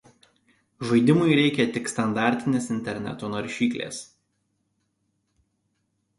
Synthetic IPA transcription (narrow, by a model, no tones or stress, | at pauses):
ʒɐɪd̪ʲɪmʊɪɾʲɛɪkʲɛt̪ʲɪkst̪ɐnd̪ɑˑɾʲt̪ʲɪnʲeːsɪnʲt̪ʲɛɾʲnʲɛ̰t̪oːnoɾʲʃʲiːklʲḛːs